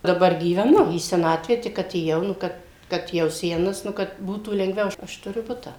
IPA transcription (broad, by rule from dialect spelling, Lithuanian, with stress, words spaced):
dɐˈbɐr ɡʲiːʋʲɛˈnʊ iː sʲɛˈnɑːtʲʋʲæː ˈtʲɪk ɐtʲeːˈjɛʊ nʊ ˈkɐt ˈkɐt jɛʊ ˈsʲæːnɐs nʊ ˈkɐt ˈbuːtuː lʲɛŋɡˈʋʲɛʊ ˈɐʃ ɐʃ tʊˈrʲʊ ˈbʊtɑː